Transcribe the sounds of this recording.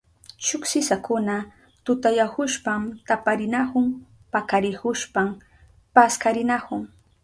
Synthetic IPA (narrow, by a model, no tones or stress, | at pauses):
ʃʊksɪsakʊna | t̪ʊt̪ajahʊʃpamt̪apaɾɪnakʊŋ | pakaɾɪhʊʃpam | paskaɾɪnakʊŋ